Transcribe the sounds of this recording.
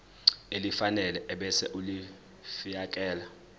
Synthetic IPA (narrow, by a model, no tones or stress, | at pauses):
elifanɛlɛʔɛɓɛsɛʔuli | fijakʼɛːla